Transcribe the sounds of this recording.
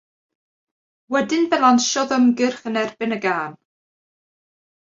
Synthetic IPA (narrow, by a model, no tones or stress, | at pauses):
wɛdɪnbɛlˠanʃɔðəmɡɪrχənɛrbɪnəɡaːn